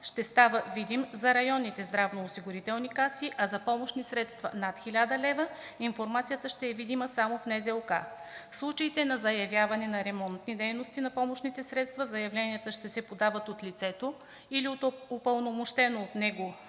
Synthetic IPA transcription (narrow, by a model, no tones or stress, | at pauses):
ʃt̪ɛst̪avəvid̪imzɐɾɐjɔnːit̪ɛzd̪ɾavnoosiɡʊɾit̪ɛlˠnikasiʔɐzɐpɔmoʃnisɾɛt̪st̪vɐ̰nat̪xʲilʲad̪ɐlɛvə | infoɾmat̪sijət̪əʃt̪ɛːvid̪iməsamofnɛzɛlˠka̰fslˠut͡ʃəit̪ɛnɐzɐjɐvjavɐnɛnɐɾɛmɔnt̪nid̪ɛjnost̪inɐpɔmoʃnit̪ɛsɾɛt̪st̪vɐzɐjɐvlɛniət̪əʃt̪ɛsɛpod̪avət̪ot̪lit̪sɛt̪o | iliot̪opəlˠnomoʃt̪ɛnoːt̪nɛɡo